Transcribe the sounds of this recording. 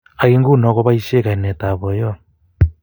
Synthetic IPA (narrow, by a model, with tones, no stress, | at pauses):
a˨ɣi˦ŋɡu˦nɔ˨ɣɔ˦βaise˦ka˨i˨nɛ˨ta˨βɔ˨jɔ˦